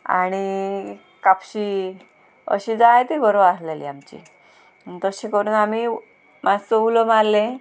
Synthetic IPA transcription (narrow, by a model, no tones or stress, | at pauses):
a̰ɽ̃i | kapɕi | ə̰ɕid͡zaet̪ibəɾoʋaslelḭamt͡ɕḭ | nt̪əɕẽkəɾuːnami | mad͡zt͡səuləmaɾlẽ